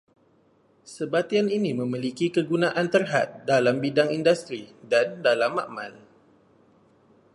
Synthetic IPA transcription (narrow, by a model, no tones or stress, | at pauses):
səbat̪ianinĩmə̃milikikəɡunãʔant̪ərɦa̰t̪̚dalambidaŋindust̪ɾidandalamːaʔmã̰l